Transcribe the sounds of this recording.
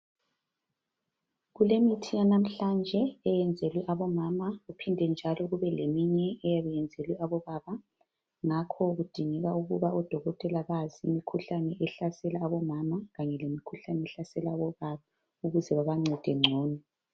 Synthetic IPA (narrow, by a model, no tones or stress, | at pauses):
ɣulemitʰijanam̩ɬand͡ʒʱɛɛjɛnd͡zʱelwɛʔaβɔmamaɣupʰindʱɛnd͡ʒʱalɔɣuβɛlemiɲɛːjaβɛjɛnd͡zʱelwɛaβɔβaβa | ŋakʰɔɣud̥ʱiŋɛɣauɣuβaɔd̥ʱɔɣɔtʼɛlaβaziimikʰuɬanɛʔɛɬasɛlaːβɔmamaɣaɲɛlemikʰuɬanɛɛɬasɛlaːβɔβaβa | uɣuzɛβaβaŋ͡ǀʱɛd̥ʱɛŋ͡ǀʱɔːnɔ